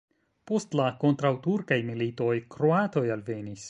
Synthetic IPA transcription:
po̞stlako̞ntɾawtuɾkajmilito̞jkɾoato̞jalve̞nis

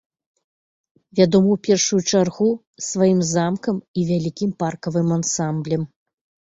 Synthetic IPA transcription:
vʲad̪ɔmɐwpʲɛrʂujut͡ʂarɣu | svajimzamkɐmivʲalʲikʲimparkɐvɨmansamblʲɐm

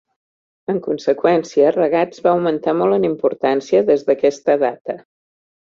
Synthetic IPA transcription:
əŋkunsəkwɛnsiərəɣad͡zβawmənt̪amɔlˠənimpuɾt̪ansiəðezðəkɛst̪əðat̪ə

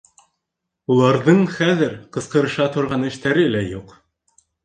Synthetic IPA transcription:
ulˠɑɾðɤɴχæðɘɾqɤ̆sqɤ̆ɾɤ̆ʃɑt̪ŏɾʁɑnɘ̆ʃt̪æɾɘlæjuq

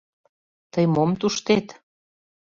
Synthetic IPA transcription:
t̪əjmomt̪uʃt̪et̪

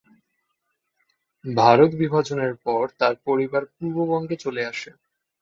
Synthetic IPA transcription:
bʱaɾot̪bibʱad͡ʑoneɾpɔɾt̪aɾpoɾibaɾpuɾbobɔŋɡet͡ɕoleaʃe

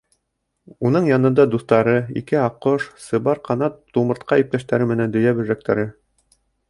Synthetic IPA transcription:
unɤɴjɑnɤ̆nd̪ɑd̪uθt̪ɑɾɤḭkɘɑqoʃsɤ̆βɑɾqɑnɑt̪ːumɤ̆ɾt̪̚qɑip̚t̪æʃt̪æɾɘmɘ̆nænd̪ɵ̆jæbɵ̆ʒæk̚t̪æɾɘ

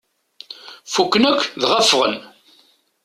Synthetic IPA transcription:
fukːnækʷːðʁəfːʁə̰n

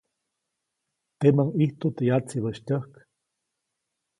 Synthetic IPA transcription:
t̪emaŋiht̪ot̪ejat͡sʰiβəʃtʲəhk

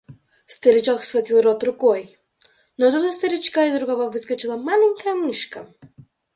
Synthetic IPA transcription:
st̪ɛɾit͡ʃaxsvɛt̪ʲilˠɾɔt̪ɾukɔj | nɔɛd̪ɔt̪ɔst̪ɛɾit͡ʃkaid̪ɾuɡavavɨskat͡ʃilˠamaliŋkajamiʃka

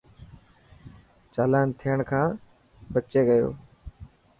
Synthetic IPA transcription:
t͡ʃaːlaːnt̪ʰijəɳkʰãː | bət͡ʃeːɠəjo̰ː

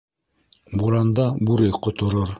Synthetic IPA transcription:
buɾɑnd̪ɑbuɾeqot̪ŏɾoɾ

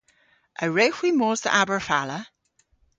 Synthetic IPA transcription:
ʔəɹexwimoːzðə̰ʔabəɹfalə

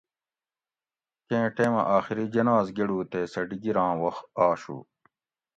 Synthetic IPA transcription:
kẽːʈẽːmɐ̰ʔaːxiɾid͡ʑɐnaːzɡeɽuːt̪eːsɐɖiɡiɾãːwɐxaːɕṵ

